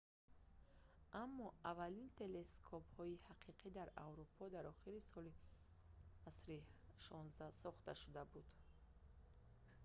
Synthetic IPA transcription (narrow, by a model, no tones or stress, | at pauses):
ʔamːɔavalint̪ʰe̞le̞skʰɔphɔihaqʰiqʰid̪aɾawɾupʰɔd̪aɾɔχiɾisɔli | asɾiʃɔnzd̪asɔχt̪aʃud̪abud̪